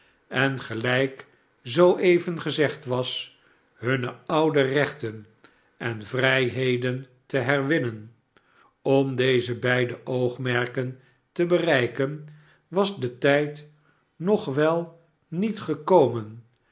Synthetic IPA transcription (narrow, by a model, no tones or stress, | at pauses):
ɛnχəlɛjk | zowʔejvənχəzɛχtʋɑs | ɦɵnəɑwdərɛχtən | ʔɛnvrɛjɦejdən | təɦɛɹʋɪnən | ɔmdejzəbɛjdəʔowχmɛɹkən | təbərɛjkən | ʋɑzdətɛjt | nɔχʋɛlˠ | nitχəkowmən